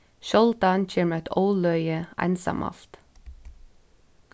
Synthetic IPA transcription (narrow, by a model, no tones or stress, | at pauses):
ʃɔlt̪ɑːnc͡çɪmət̪ʰɔːlœʏəʔæ̰ɪnsɑ̰mʔɑ̰ft̪